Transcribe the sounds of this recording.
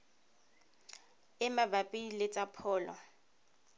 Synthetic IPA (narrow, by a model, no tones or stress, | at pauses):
ɪmabapʼilɪt͡sʼapʰɔːlɔ̰